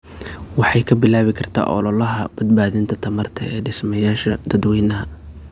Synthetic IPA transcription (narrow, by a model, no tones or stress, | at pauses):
wɑħɑjkʰɐbɪlaːβɪkʰɐrt̪ʰa̰ːʔɔ̰lɔlɐɦɐb̥ɐd̪̚baːðɪnt̪ʰɐt̪ʰɐmɐrt̪ʰɐ̰ɛːɖɪsmɐjaːʃɐd̪̥ɐd̪wɛjnɐɦɐ